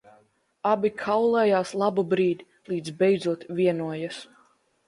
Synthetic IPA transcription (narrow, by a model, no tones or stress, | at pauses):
abʲikʰawlˠɛjaːslˠabubɾiːd̪ʲ | lˠiːd̪zbɛjd̪zuɔt̪vʲiɛnuɔjas